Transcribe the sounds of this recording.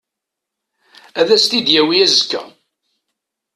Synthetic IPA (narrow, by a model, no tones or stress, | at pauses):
æðæst̪id̪jæwiæzəkːæ̰